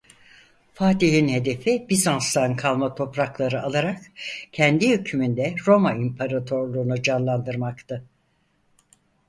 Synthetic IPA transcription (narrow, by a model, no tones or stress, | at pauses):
faːt̪iɦinhe̞d̪e̞fibizanst̪ankʰalˠmat̪ʰo̞pɾaklˠaɾɯalˠaɾakcʰɛnd̪ihycʰymynd̪ɛɾo̞maimpʰaɾat̪ʰoɾlˠuːnud͡ʒanlˠand̪ɯɾmakt̪ʰɯ